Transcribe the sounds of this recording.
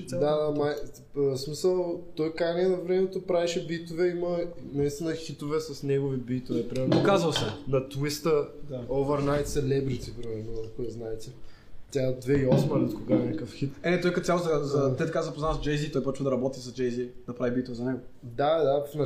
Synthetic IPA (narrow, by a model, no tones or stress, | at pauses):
d̪ad̪amaj | smisəlˠt̪ɔjkɾajniɛnɐvɾɛmɛt̪opɾaviʃɛbit̪ovɛimənɐist̪inəxit̪ovɛsɐsnɛɡovibit̪ovɛpɾimɛɾnokazəlˠsɛnɐt̪uist̪əd̪aovəɾnajt̪sɛlɛbɾit̪ibɾimɛɾnɐkoɛznaɛt̪ɛ | t̪ʲjad̪vɛiɔsmɐɾɛt̪koɡanʲakəfxit̪ɛɛt̪ɔjkɐt̪jalˠzd̪zɐt̪ɛt̪ɐkazɐpoznazd͡ʒɛjzit̪ɔjpɾɔt͡ʃvd̪ɐɾɐbɔt̪isɐzd͡ʒɛjzid̪ɐpɾavibit̪ovɛzɐnɛɡod̪ad̪afnɐ